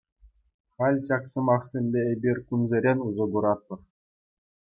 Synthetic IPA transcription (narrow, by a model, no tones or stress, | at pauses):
χɑlʲɕɑksɤ̆mɑχsʲemʲbʲeebʲirʲkunzʲeɾʲenʲuzɤ̆ɡuɾɑt̪̚pɤ̆r